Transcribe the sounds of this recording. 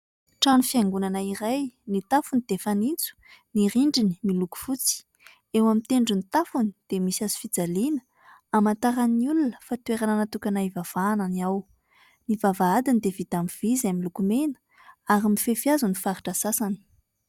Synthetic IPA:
ʈ͡ʂanufiaŋɡunanaiɾajnit̪afunid̪̥efanint͡su̥niɾiɳɖ͡ʐini̥miluku̥fut͡si̥ | ewamit̪eɳɖ͡ʐunit̪afunid̪̥emisiazi̥fid͡zalinə̥ | amant̪aɾaniulunə̥fat̪uweɾananat̪ukʲanaivav̥ananiaw | nivavaad̪inid̪evit̪amiv̥izamilukumenə̥ | aɾimifefiazunifaɾiʈ͡ʂasasani̥

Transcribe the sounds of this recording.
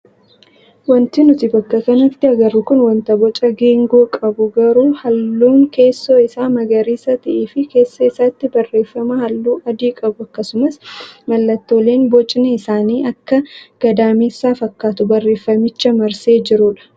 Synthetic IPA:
wɐnt̪ɪnʊt̪ɪbɐkːɐkɐnɐt̪ːɪɐɡɐrːʊkʊnwɐnt̪ɐbɔt͡ʃʼɐɡeːŋɡoːkʼɐbʊɡɐɾuːhɐlːuːŋke̞ːsːoːɪsaːmɐɡɐɾiːsɐt̪ɪʔeːfɪke̞ːsːɐɪsːɐt̪ːɪbɐrːe̞ːfːɐmɐhɐlːuːʔɐd̪iːkʼɐbʊɐkːɐsʊmɐsmɐlːɐt̪ːoːle̞ːnbɔt͡ʃʼɪneɪsaːniːʔɐkːɐɡ̥ɐd̪aːmiːsaːfɐkːaːt̪ʊbɐrːe̞ːfːɐmɪt͡ʃːɐmɐɾse̞ːd͡ʒɪɾʊᶑɐ̥

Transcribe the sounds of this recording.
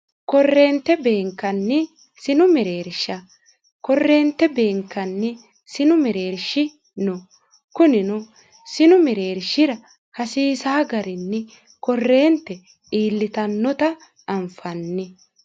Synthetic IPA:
kɔrːeːnt̪ːɛbe̞ːŋkːɐnːɛ | sɪnʊmɛɾe̞ːɾʃɐ | kɔrːe̞ːnt̪ːɛbe̞ːŋkːɐnːɛ | sɪnʊmɛɾe̞ːɾʃɪ | nɔ | kʊnɪnʊ | sɪnʊmɛɾe̞ːɾʃɪɾɐ | hɐsiːsaːɡɐɾɪnːɛ | kɔrːe̞ːnt̪ːɛ | iːlːɪt̪ɐnːɔt̪ɐ | ɐmfɐnːɪ

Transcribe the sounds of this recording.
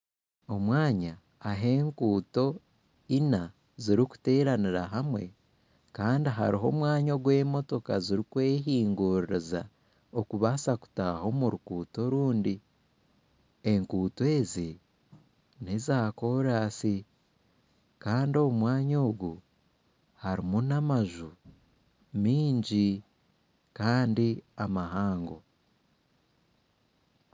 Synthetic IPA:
o̞mwaːɲaː | ɦe̞ːŋkuːto̞ | ina | ziɾiku̥te̞ːɾaniɾaɦamwe̞ | kaːndiɦa̰ɾiɦo̞mwaːɲoɡwe̞ːmo̞to̞kaziɾikweːɦiːŋɡuɾiɾeza̰ | okuβasaku̥taho̞muɾukuːto̞ɾuːndi | e̞ŋkuːte̞ːzi | nezaːko̞ɾaːsi | kaːndio̞umwaːɲo̞ːɡu | haɾimunamaʒu | miːɲɟi | kaːndiamaɦaːŋɡo̞

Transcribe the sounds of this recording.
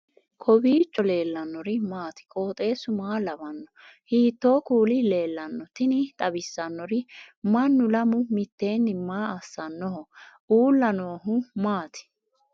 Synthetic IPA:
kʰɔbiːt͡ʃʼːɔle̞ːlːɐnːɔɾɪmaːt̪ɪ̥kʼo̞ːt̪ʼe̞ːsʊmaːlɐbɐnːɔ | hiːt̪ːo̞ːkuːlɪle̞ːlːɐnːɔt̪ɪnɪt̪ʼɐbɪsːɐnːɔɾɪmɐnːʊlɐmʊmɪt̪ːe̞ːnːɪmaːɐsːɐnːɔɦɔ | uːlːɐnoːɦʊmaːt̪ɪ̥

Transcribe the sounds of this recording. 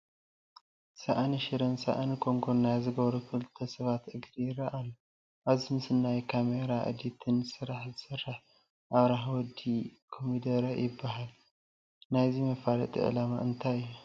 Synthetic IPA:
saʔaniʃɨɾɐnsa̰ʔanikʰʼoŋɡonajzɨɡɐβɾufʰɨlt̪ʰɐsɐβat̪ʔɨɡd̪ijɪrɐʔalːu | ʔaβzimɨsɨnːajkʰameɾaʔɨ̰d̪it̪ʰɨnsɨɾaħzɨsɨrːaħ | ʔaβɾaħwɔd̪ikʰomid̪ɐɾajɪbːaɦal | najzimɐfalɐt̪ʼḭʔɨ̰lama̰ʔɨnt̪ʰajju

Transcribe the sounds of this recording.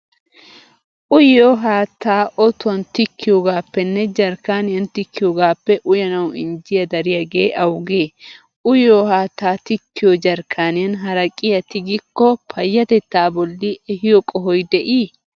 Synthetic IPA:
ʔʊjoːɦaːt̪ːaːʔɔt̪ʊɐnt̪ɪkːɪjoːɡaːpːɛnːɛd͡ʒɐɾkaːnɪjɐnt̪ɪkːɪjɔɡaːpːɛʔʊjɐnɐwɪ̰nd͡ʒɪjɐd̪ɐɾɪjɐɡe̞ːʔɐwɡeː | ʔʊjoːhaːt̪ːaːt̪ɪkːɪjod͡ʒɐɾkʰaːnɪjɐnɦɐɾɐkʼɪjɐt̪ɪɡɪkːɔpʰɐjːɐt̪ɛt̪ːaːbɔlːɪʔɛhɪjɔkʼɔɦɔjd̪ɛʔiː

